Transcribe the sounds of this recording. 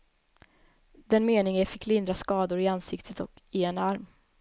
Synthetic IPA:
d̪̥ɛnmeːnɪŋəfɪkːlɪnd̪ɾaskɑːd̪ʊɾɪansɪkt̪ʰət̪ɔkɪɛnaɾm

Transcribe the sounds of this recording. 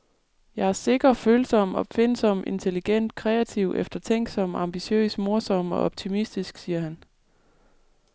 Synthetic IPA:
jɑ̈ɪæɐse̝ɡ̥ɐføːlsɒ̽m̰ɒ̽b̥fe̝nsɒ̽m̰e̝nt͡sʰe̝liɡ̥en̰d̥̚kʰʁɛːæt͡sʰiʊ̰ʔefd̥ɐt͡sʰeŋ̰ɡ̥sɒ̽m̰ɑ̈mb̥iɕø̰ːsmo̝ɐsɒ̽m̰ɒ̽ɒb̥̚t͡sʰimisd̥isɡ̥siːɐhæn

